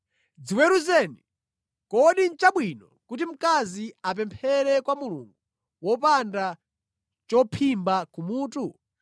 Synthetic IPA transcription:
d͡ziwɛɾuzɛni | kɔɗint͡ʃaɓwinɔkut̬im̩kaziap̬ɛmpʰɛɾɛkwamulṵŋɡu | wɔpanda | t͡ʃɔpʰimbakumuːtu

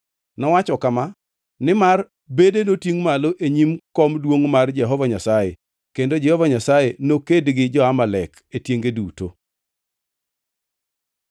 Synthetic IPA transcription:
nɔwat͡ʃɔkama | nɪmar | bedenotiŋmaloʔeɲimkɔmdwoŋmard͡ʒɛɦɔvaɲasaje | kendod͡ʒɛhɔvaɲasajenokedɡɪd͡ʒɔamalɛk | etjeŋɡeduto

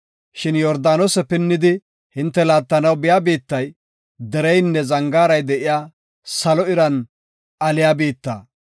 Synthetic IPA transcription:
ʃɪnjɔɾd̪aːnosɛpɪnːɪd̪ɪ | hɪnt̪ːɛlaːt̪ːɐnɐwbɪjaːbiːt̪ːɐj | d̪ɛɾɛjnːɛzɐŋɡaːɾɐjd̪ɛʔɪjaː | sɐlɔɪɾɐn | ɐlɪjaːbiːt̪ːa̰ː

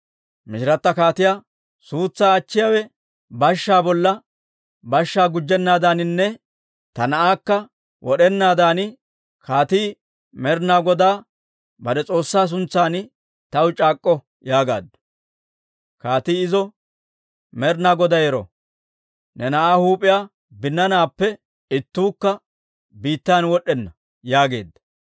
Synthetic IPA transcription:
mɪʃɪɾɐt̪ːɐkaːt̪ɪja | suːt͡sːaːt͡ʃːɪjawɛ | bɐʃːaːbɔlːɐ | bɐʃːaːɡʊd͡ʒːɛnːaːd̪aːnɪnːɛ | t̪ɐnɐʔaːkːɐ | wɔɗɛnːaːd̪aːnɪ | kʰaːt̪iː | mɛɾnaːɡɔd̪aː | bɐd̪ɛt͡sʼo̞ːsːaːs̬ʊnt͡sːaːnɪ | t̪ɐwt͡ʃʼaːkʼːɔ | jaːɡa̰ːd̪ːɐ̥ | kaːt̪iːɪzɔ | mɛɾnaːɡɔd̪ɐjɛɾɔ̰ | nɛnɐʔaːhuːpʼɪjaː | bɪnːɐnaːpːɛ | ɪt̪ːuːkːɐ | biːt̪ːaːnwɔɗːɛnːɐ | jaːɡe̞̰ːd̪ːɐ̥

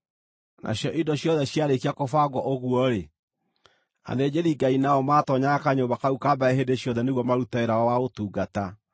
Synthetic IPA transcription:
nʔa̰ɕjɔʔidɔɕjɔðɛɕjaɾekiakofaɡwɔʔoɣuɔɾe | a̰ðed͡ʑeɾiɡainaɔmaːtɔɲaakaɲombakaukabaeɦedeɕjɔðɛneɣwɔmaɾutaeɾaɔwaotuːɡata

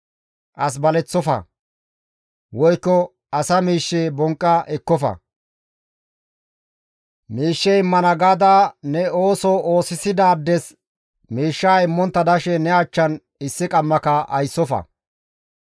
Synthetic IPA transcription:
ʔɐs̬bɐlɛt͡sːɔfɐ̰ | wɔjkːɔ | ɐsɐmiːʃːeːbɔŋkʼːɐʔɛkːɔfɐ̰ | miːʃːɛɪmːɐnɐɡaːd̪anɛoːsɔoːsɪsɪd̪aːd̪ːɛs | miːʃːaːɪmːɔnt̪ːɐd̪ɐʃɛnɛɐt͡ʃːɐn | ɪsːɪkʼɐmːɐkɐɐjsːɔfɐ̰

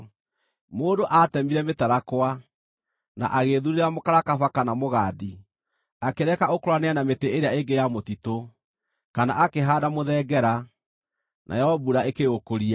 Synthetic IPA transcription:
moːdoʔatɛmiɾɛmetaɾakwa | na̰ʔaɣeðuɾeɾamokaɾakafakanamoɣaːdi | akeɾɛkaokoɾwaneanameteeɾeaeɡejamotito | kana̰ʔakeɦaːdamoðɛɡɛɾa | nʔa̰jɛɔbuɾaekeokoɾia

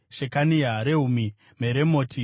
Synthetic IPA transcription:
ʃekanijaɾeɦumi | meɾemoːtʰi

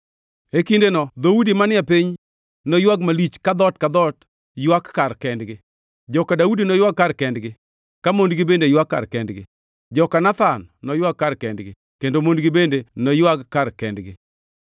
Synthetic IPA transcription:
ekindenɔd̪audimanɪɛpiɲ | nɔjwaɡmalit͡ʃkad̪ɔtkad̪ɔt | jwakːarkɛndɡɪ | d͡ʒɔkadaudinɔjwakːarkɛndɡɪ | kamondɡɪbendejwakːa̰rkɛndɡɪ̰ | d͡ʒɔkanat̪anːɔjwakːarkɛndɡɪ | kendomondɡɪbendenɔjwakkːarkɛndɡɪ

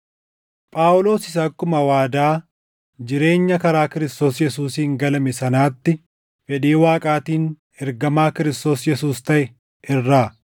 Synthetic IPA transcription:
pʼaːʔʊlo̞ːsɪsɐːkːʊmɐwaːd̪aː | d͡ʒɪɾe̞ːɲːɐkɐɾaːkɪɾɪst̪o̞ːsjɛsuːsiːŋɡɐlɐmɛsɐnaːt̪ːɪ | fɛᶑiːwaːkʼaːt̪iːn | ɛɾɡɐmaːkɪɾɪst̪o̞ːsjɛsuːst̪ɐʔɛ | ɪrːaː

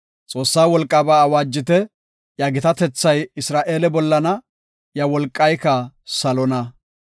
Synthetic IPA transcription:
t͡sʼo̞ːsːaːwɔlkʼːaːbaːwaːd͡ʒːɪt̪ɛ | jaɡɪt̪ɐt̪ɛt͡sːɐjɪsɾaːʔe̞ːlɛbɔlːɐnɐ | jɐwɔlkʼːɐjkɐsɐlɔnɐ

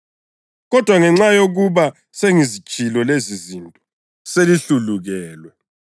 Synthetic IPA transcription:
ɣɔd̥ʱwaŋɛŋ͡ǁajoɣuβa | seŋizi̥ʒ̥ʼʱilɔlezizintʼɔ̥ | seliɬuluɣɛːlwɛ

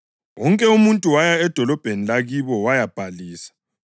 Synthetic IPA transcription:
wɔŋkʼɛumuntʼuwajaɛd̥ʱɔlɔb̥ʱenilaɣiβɔwajab̥ʱaliːsḁ

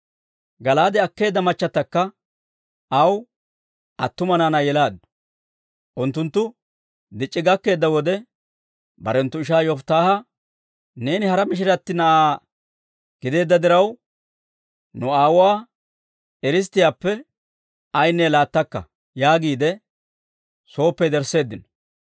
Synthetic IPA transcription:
ɡɐlaːd̪ɛɐkːe̞ːd̪ːɐmɐt͡ʃːɐt̪ːɐkːɐ | ʔɐw | ʔɐt̪ːʊmɐnanɐjɛlaːd̪n | ʔʊnt̪ːʊnt̪ːʊ | d̪ɪt͡ʃʼːɪɡɐkːe̞ːd̪ːɐwɔd̪ɛ | bɐ̰ɾɛnt̪ːʊɪʃaːjɔft̪aːhɐ | ne̞ːnɪhɐɾɐmɪʃ̬ɪɾɐt̪ːɪnɐʔaː | ɡ̥ɪd̪e̞ːd̪ːɐd̪ɪɾɐw | nʊaːwʊwaː | ɛɾɪs̬t̪ːɪjaːpːɛ | ɐjnːɛlaːt̪ːɐkːɐ̰ | jaːɡiːd̪ɛ | so̞ːpːɛd̪ɛɾse̞ːd̪ːɪnɔ̥

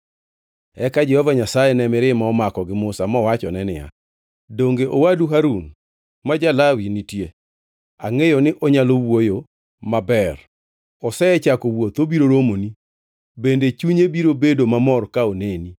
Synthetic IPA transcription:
ɛkad͡ʒɛhɔvaɲasajenɛmɪɾɪmaɔmakɔɡɪmʊsamɔwat͡ʃɔnɛnɪja̰ | doŋɡeʔowaduɦaɾun | mad͡ʒalawinɪtje | aŋejɔnɪʔɔɲalowojo | mabɛr | ɔsɛɛt͡ʃakowot̪obiɾoɾomoni | bendet͡ʃuɲebiɾobedomamɔrkaoneni

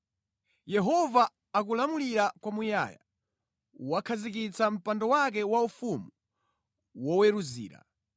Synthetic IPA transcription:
jɛɦɔvaː | k̬ulamuliɾakwamuja̰ːja̰ | wakʰazik̬it͡sam̩pandɔwak̬ɛwaufumu | wɔwɛɾuzḭːɾa̰

